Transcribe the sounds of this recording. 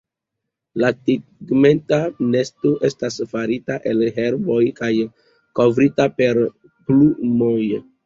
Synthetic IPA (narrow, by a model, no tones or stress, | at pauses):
latiɡme̞ntane̞stoʔe̞stasfaɾitaʔe̞lɦe̞ɾbo̞jkaj | ko̞vɾitape̞ɾ | plumoj